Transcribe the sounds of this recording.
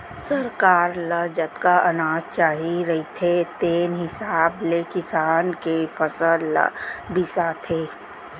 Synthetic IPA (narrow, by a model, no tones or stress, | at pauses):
sɐɾkaːɾləd͡ʒət̪kaʔɐnaːd͡ʒt͡ʃaːɦiɾɐɦit̪ʰet̪eːnɦɪsaːblekɪsaːnkepʰəsəl̰bɪsat̪ʰeː